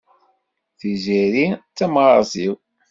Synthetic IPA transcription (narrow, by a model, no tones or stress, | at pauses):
θiziɾit͡sːæmʁˤɑziw